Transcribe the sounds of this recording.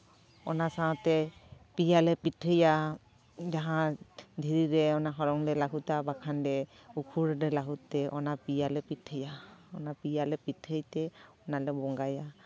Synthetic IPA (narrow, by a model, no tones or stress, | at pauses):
ɔnasaɔtɛpijalɛpitʰɯja | d͡ʒaɦãd̪ʱiɾiɾɛɔnaɦɔɾɔŋdɛlaɡutabakʰandɛ | ukʰuɾdɛlaɦut̪ːɛʔɔ̰napijalɛpitʰɯjaɔnapijalɛpitʰəjt̪ɛɔnalɛbɔŋɡaja